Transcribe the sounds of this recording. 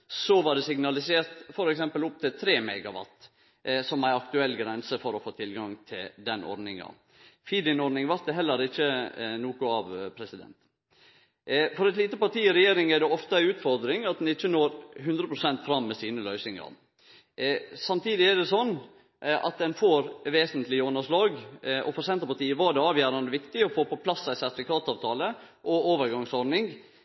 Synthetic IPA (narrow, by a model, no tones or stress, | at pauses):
sɔʋɑɖɛsɪɡnɑlɪseːɾt̪fɔɾɛksɛmpəlʊp̚t̪ʰɪlt̪ʰɾeːmɛɡɑʋɑ̰t̪ː | sɔmæɪɑk̚t̪ʉɛlːɡɾɛnsəfɔɾɔfoːt̪ʰɪlɡɑŋt̪ʰɪld̪ɛnɔ̰ɾɖnɪŋɑ̰ | fiːd̪ɪnɔɾnɪŋʋæɾt̪̚d̪ɛɦɛlːəɾɪçːənuːkʊɑʋpʰɾɛsɪd̪ɛ̰nt̪ | fɔɾɛt̪liːt̪əpɑʈ̪iːɪɾɛjeːɾɪŋæɖɛɔft̪əæɪʉːt̪fɔɾd̪ɾɪŋɑt̪̚d̪ɛnɪçːənoːɾɦʉnd̪ɾəpʰɾʊsɛnt̪fɾɑmːɛsiːnəlœʏsɪŋɑ̰ɾ | sɑmt̪ʰiːd̪ɪæɖɛsɔnː | ʔɑ̰t̪̚d̪ɛnfoːɾʋeːsənt̪lɪɔnəʂlɑːɡɔ̰fɔɾsɛnt̪əpɑʈ̪iːəʋɑɖɛɑːʋjæːɾɑnd̪əʋɪkt̪ɪɔfoːpɔpʰlɑsːæɪsæɾt̪ɪfɪkʰɑːt̪ɑːʋt̪ʰɑːlə | ʔɔoːʋəɾɡɑŋsɔɾnɪŋ